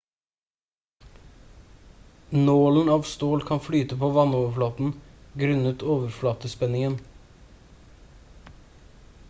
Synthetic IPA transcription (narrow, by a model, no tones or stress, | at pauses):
noːln̩ɑːʋst̪oːlkʰɑnflyːt̪əpʰoːʋɑnɔːʋəflɑːt̪n̩ɡɾʉnət̪ʰoːʋəɾflɑːt̪əspɛnɪŋən